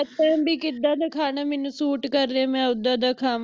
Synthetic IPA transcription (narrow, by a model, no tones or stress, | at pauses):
t̪ɛ̃ːbʱiːkɪd̪ãːd̪əkʰaːnaːmɪnũsuːʈkəɾːemɛ̃ːʊd̪ãːd̪akʰaːm